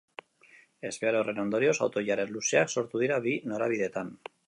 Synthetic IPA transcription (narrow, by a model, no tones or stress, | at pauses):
e̞zβeaɾore̞no̞nd̪o̞ɾio̞sawt̪o̞ʝaɾe̞nluseakso̞ɾt̪uð̞iɾaβinoɾaβ̞iðet̪an